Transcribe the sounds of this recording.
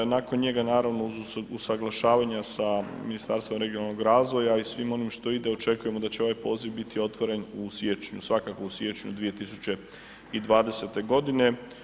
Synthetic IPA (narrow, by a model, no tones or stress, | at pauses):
nakonɲe̞ɡanaːɾaʋno̞uzusaɡlˠaʃaːʋaɲasaminist̪aɾst̪ʋo̞mɾe̞ɡionalˠnoɡɾaːzʋo̞jaisʋimo̞nimʃt̪o̞id̪eo̞t͡ʃe̞kuje̞mod̪at͡ɕe̞o̞ʋajpo̞ːziʋbit̪io̞t̪ʋoɾe̞nusjet͡ʃɲusʋakako̞usjet͡ʃɲṵd̪ʋije̞t̪isut͡ɕe̞ | id̪ʋaːd̪e̞se̞t̪e̞ɡo̞d̪ine̞